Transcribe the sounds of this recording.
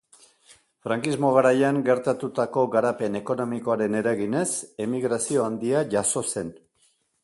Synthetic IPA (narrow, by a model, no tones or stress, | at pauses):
fɾaŋkizmo̞ɣ̞aɾajaŋɡe̞ɾt̪at̪ut̪ako̞ɣaɾape̞ne̞ko̞no̞miko̞aɾe̞ne̞ɾaɣine̞se̞miɣɾasio̞and̪iaʝaso̞se̞n